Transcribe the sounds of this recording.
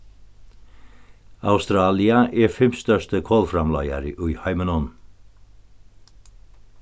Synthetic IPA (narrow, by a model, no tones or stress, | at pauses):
a̰wst̪ɾaːliaʔɛːɹfɪmst̪œʂt̪əkʰɔːlfɾamlɑ̰ja̰ɾəʔʊjhajmənɔn